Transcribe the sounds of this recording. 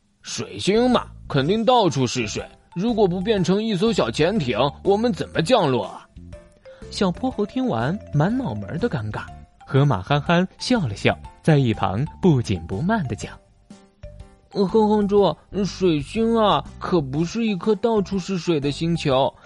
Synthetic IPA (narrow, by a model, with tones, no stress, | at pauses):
ʂwe˨˩ɪɕi˥ŋmɐ̰˨˩kʰə˨˩nt̪i˥˧ŋt̪̬ɑ˥˩ʊʈ͡ʂʰu˥ʂɻ̩˥˩ʂwe˨˩˦ɪɻu˧˥kwɔ˨˩p̬u˧˥p̬jɛ˥˩nʈ͡ʂʰɤ˧˥ŋi˥˩s̬o˥ʊɕ̬jɑ˨˩ʊt͡ɕʰjɛ˧˥nt̪ʰjɛ˧˥ŋwʔɔ˨˩mə˦nt͡sə˨˩nmə˦t͡ɕjɑ˥˧ŋlwɔ̰˥˩ | ɕjɑ˨˩ʊpʰwɔ˥xo˧˥ʊt̪ʰi˥ŋwa̰˧˥nma˧˥nmɑ˨˩ʊmə̰˞˧˥d̪ə˧ka˧˥nka˨˩˦nxɤ˧˥ma̰˨˩xa˥nxa˥nɕjɑ˥˩ʊlə˩ɕjɑ̰˥˩ʊt͡sa˥˧ɪi˥˩pʰɑ̰˧˥ŋpu˥˩t͡ɕḭ˨˩npṵ˧˥ma˥˩nd̪ə˩t͡ɕjɑ˨˩˦ŋ | xɤ˥ŋxɑ˥ŋʈ͡ʂwɔ˥˧ʂwe˨˩ɪɕi˥ŋɐ˨kʰɤ˨˩pu˧˥ʂɻ̩˥˧i˥˩kʰɤ˥t̪ɑ˥˩ʊʈ͡ʂʰu˥ʂɻ̩˥˩ʂwe˨˩ɪd̪ə˦ɕi˥ŋt͡ɕʰjo˧˥ʊ